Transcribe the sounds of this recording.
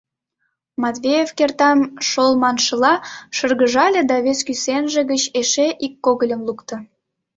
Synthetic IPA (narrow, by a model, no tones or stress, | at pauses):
mɑt̪vʲejefkert̪ɑmʃolmɑnʃə̆lɑʃərɣəʒɑlʲĕd̪ɑβeskysenʒĕɣət͡ɕeʃeʔikːoɣəlʲəmlˠukt̪ə̆